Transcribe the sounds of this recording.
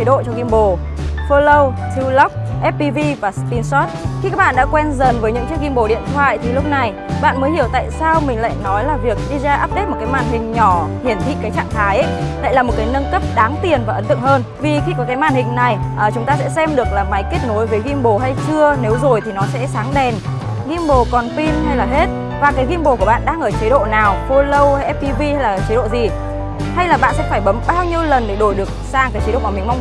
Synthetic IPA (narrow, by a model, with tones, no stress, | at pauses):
ə˨˦ɗo̰˧˨t͡ɕɔ˧ɣi˧mɓo˨˩ | fəː˧lə˧wt̪ʰi˧wlə˦˥p̚ʔɛ˦˥p̚pi˧vi˧vaː˨˩spi˧nsɔ˦˥t̚xi˧ka˦˥k̚ɓaː˧˨ɗa̰ː˧˥kwɛ˧nzə˨˩nvəː˨˦jɲɨ̰˧˥ŋt͡ɕɨ˦˥ək̚ɣi˧mɓo˨˩ɗḭ˧˨ənt̪ʰwa̰ː˧˨jt̪ʰi˨˩lʊ˦˥k͡p̚na˨˩j | ɓa̰ː˧˨nməː˨˦jhi˧˩əwt̪a̰ː˧˨jsaː˧wmï˨˩ŋ̟la̰ː˧˨jnɔ˨˦jlaː˨˩vi˨˩ək̚ɗi˧zaː˧ʔaː˦˥p̚ɗe˦˥t̚mo˨˩t̚kaː˨˦ma̰ː˧˨nhï˨˩ŋ̟ɲɔ˧˩hi˨˩ənt̪ʰḭ˧˨kaː˨˦jt͡ɕa̰ː˧˨ŋt̪ʰaː˨˦jʔə˦jla̰˧˨jlaː˨˩mo˨˩t̚kaː˨˦jnə˧nkə˦˥p̚ɗaː˨˦ŋt̪i˨˩ənvaː˨˩ʔə˨˦nt̪ɨ̰˧˨ŋhəː˧n | vi˨˩xi˧kɔ˨˦kaː˨˦jmaː˧˨˩nhï˨˩ŋ̟na˨˩jʔəː˨˩t͡ɕʊ˨˦ŋ͡mt̪aː˧sɛ̰˧˥sɛ˧mɗɨ˨˩ək̚laː˨˩ma˨˦jke˦˥t̚no˨˦jveː˨˦ɣi˧mɓo˨˩ha˧jt͡ɕɨ˧əne˨˦wzo˨˩jt̪ʰi˨˩nɔ˨˦sɛ̰˧˥saː˨˦ŋɗɛ˨˩n | ɣi˧mɓo˨˩kɔ˨˩nfi˧mha˧jlaː˨˩ɦe˦˥t̚ | vaː˨˩kaː˨˦jɣi˧mɓo˨˩ku˧˩əɓa̰ː˧˨nɗaː˧ŋʔəː˧˩t͡ɕə˨˦ɗo̰˧˨naː˨˩wfo˧lə˧wʔɛ˦˥p̚i˧vi˧ha˧jlaː˨˩t͡ɕə˨˦ɗo̰˧˨zi˨˩ | ha˧jlaː˨˩ɓa̰ː˧˨nsɛ̰˧˥faː˧˩jɓə˨˦mɓaː˧wɲi˧əwlə˨˩nɗe˧˩ɗo˧˩jɗɨ˨˩ək̚saː˧ŋkaː˨˦t͡ɕe˨˦o̰ː˧˨˧mï˨˩ŋ̟ma˧wŋ͡m